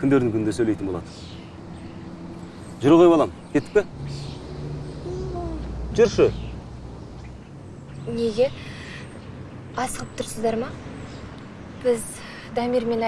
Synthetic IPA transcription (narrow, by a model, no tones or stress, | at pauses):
kʲʰʏnd̪eɾd̪ɪŋkʰʲʏnd̪esɵjlejt̪ɪnboɑ̰d̪ə | ʒʊɾʁojbolˠɑmkʲʰe̞t̪ːɪk̚pʲɪ | ʒʏɾʃɪ | ne̞ɡʲe̞ | ɑsəʁəp̚t̪ʰʊɾsəzd̪ɑɾmɑ | b̥ɪz | d̪ɑmiɾme̞n